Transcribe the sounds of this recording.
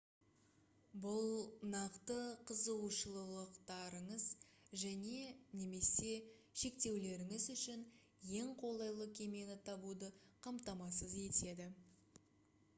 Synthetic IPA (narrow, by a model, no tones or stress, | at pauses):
bʊlˠnɑqt̪əqʰəzəʃəlˠəlˠəqt̪ɑɾəɴəzʒæne̞ne̞me̞se̞ʃe̞k̚t̪e̞wle̞ɾɪŋɪzʏʃɪn | je̞ŋqʰo̞lˠɑjlˠəkʲʰe̞me̞nɪt̪ʰɑbud̪əqʰɑmt̪ɑmɑsəze̞t̪e̞d̪ɪ